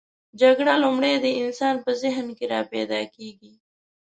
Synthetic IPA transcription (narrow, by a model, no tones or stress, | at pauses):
d͡ʒaɡɽalumɽed̪əɪnsɑnpəzɪɦnkeɾɑpɛ̰d̪ɑkeɡi